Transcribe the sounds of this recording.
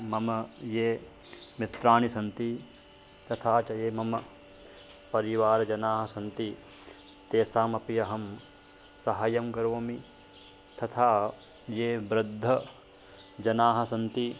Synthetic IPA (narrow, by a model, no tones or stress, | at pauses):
mɐmɐjeː | mit̪ɾaːɳisɐnt̪i | t̪ɐt̪ʰaːt͡ʃɐjeːmɐmɐ | pɐɾiʋaːɾɐd͡ʒɐnaːɦɐ̆sɐnt̪i | t̪eːsaːmɐpijɐɦɐm | sɐɦɐjɐmkɐɾʋoːmi | t̪ɐt̪ʰaː | jeːbɾɐd̪ʱːɐ | d͡ʒɐnaːɦɐsɐnt̪i